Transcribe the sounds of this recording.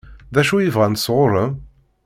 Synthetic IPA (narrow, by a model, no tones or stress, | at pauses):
ðæʃuivʁænsʁʊɾˤə